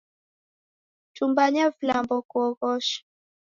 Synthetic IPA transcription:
t͡ʃumbaɲavlambɔkwɔɣɔʃ

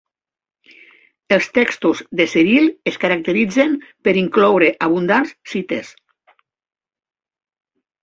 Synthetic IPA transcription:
elˠst̪ɛkst̪uzðeseɾileskaɾak̚t̪eɾid͡zempeɾiŋklɔwɾeʔaβund̪anssit̪ḛs

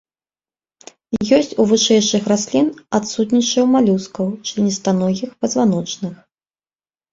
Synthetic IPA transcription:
jɔsʲt͡sʲuvɨʂɛjʂɨxrasʲlʲinat̪sut̪nʲit͡ʂɐwmalʲuskɐwt͡ʂɨinʲist̪anɔɣʲixpɐd̪zvanɔt͡ʂnɨx

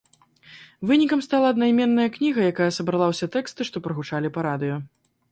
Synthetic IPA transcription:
vɨnʲikɐmst̪alˠɐːd̪najmʲɛnːɐjɐknʲiɣɐjakajɐsɐbɾɐlˠawsʲat̪ɛkst̪ɨʂt̪ɔpɾɐɣut͡ʂalʲipɐɾad̪ɨjɔ

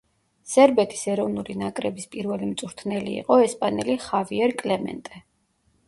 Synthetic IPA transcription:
sɛɾbɛt̪ʰi̥sɛɾɔvnulinakʼɾɛbispʼiɾvɛlimt̪sʼuɾt̪ʰnɛlḭːqʼɔɛspʼanɛ̰liχaviɛɾkʼlɛmɛ̰nt̪ʼɛ

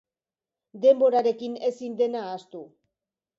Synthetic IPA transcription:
d̪e̞mbo̞ɾaɾe̞kine̞sind̪e̞naːst̪u

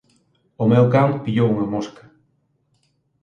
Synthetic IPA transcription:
ʊmɛwkampiʎowuŋɐmoskɐ̥

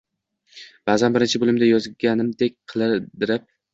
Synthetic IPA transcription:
b̥aːzanbɪɾɪnt͡ʃʰɪbolˠɪmd̪ajɒzɡʲanɪmd̪ek̚ʲqʰɨlˠɪɾd̪ɪɾɪp̚

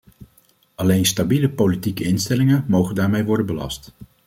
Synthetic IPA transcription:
ɑlejnstabiləpowlitikəɪnstɛlɪŋəmowχəndaːɹmejʋɔɹdənbəlɑ̰st

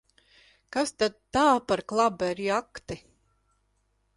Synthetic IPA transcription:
kast̪ad̪̚t̪ːaːpaɾklˠabɛɾiakt̪i

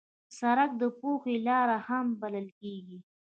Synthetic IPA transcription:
saɾak̚d̪əpoxelɑɾahambaləlkeɡi

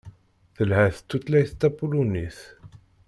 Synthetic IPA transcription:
θəlhæθə̥t̪ːut̪læjθt̪ːæpuluniθ

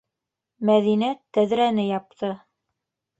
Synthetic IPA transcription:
mæðinæt̪ːæðɾænɘjɑp̚t̪ʰɤ

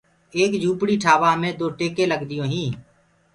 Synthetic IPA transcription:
eːkd͡ʒuːpɽiːʈʰaːʋaːmẽːd̪oːʈeːkẽːləɡd̪ɪjõːɦĩː

